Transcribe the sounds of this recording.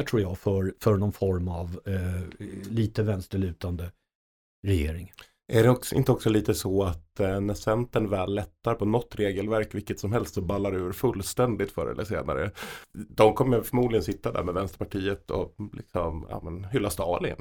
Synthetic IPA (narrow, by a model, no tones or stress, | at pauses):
t̪ʰɾuːɾjafœɾfœnɔnfɔɾmav | liːt̪əvɛnst̪əɭʉ̟ːt̪and̪ə | ɾɛjḛːɾɪŋ | ʔæɖɛɔksʔɪ̰nt̪əɔksɔliːt̪əsɔat̪næsɛnt̪ənvɛːlːɛt̪ːaɾpʰɔnɔt̪ːɾeːɡəlvæɾkvɪkːət̪sɔmɦɛlst̪sɔbalːaɾʉ̟ːɾfɵlːst̪ɛnd̪ɪt̪fœ̰ːɾɛ̰ləʂḛːna̰ɾə̰d̪ɔmkʰɔmːəjfœɾmuːd̪ɪɡənsɪt̪ːad̪æ̰ɾmɛvɛnst̪əɾpʰaʈʰiːət̪ʰɔ̰lʔɪ̰ksɔma̰ːmənhʏlːast̪ɑːlɪə̰n